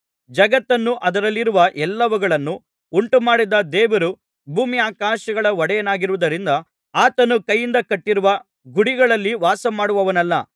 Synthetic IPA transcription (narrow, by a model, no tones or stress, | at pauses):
d͡ʒɐɡɐt̪ːɐnːuʔɐd̪ɐɾɐlːiɾuʋɐʔɛlːɐʋɐɡɐɭɐnːu | uɳʈumaːɽid̪ɐd̪ɛːʋɐɾu | bʱuːmiaːkaːʃɐɡɐɭɐɔɽɛjɐnaːɡiɾuʋud̪ɐɾind̪ɐ | aːt̪ɐnukɐjːind̪ɐkɐʈːiɾuʋɐ | ɡuɽiɡɐɭɐlːiʋaːsɐmaːɽuʋɐʋɐnɐlːɐ̰